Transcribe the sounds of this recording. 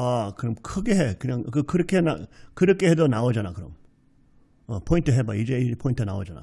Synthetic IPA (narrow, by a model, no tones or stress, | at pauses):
akɯɾʌmkʰɯɡe̞ɦekɯɲaŋkɯkʰɯɾʌkʰena̰kɯɾʌkʰehedonaod͡ʑanakɯɾʌ̰m | ʌpʰointʰɯɦebaid͡ʑeipʰointʰɯnawod͡ʑana̰